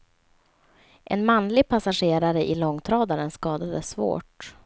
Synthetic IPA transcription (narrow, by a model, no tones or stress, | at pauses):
ʔɛnmanlɪɡ̚pʰasaɧeːɾaɾəʔɪlɔŋːt̪ʰɾɑːd̪aɾənskɑːd̪ad̪əsvo̰ːʈ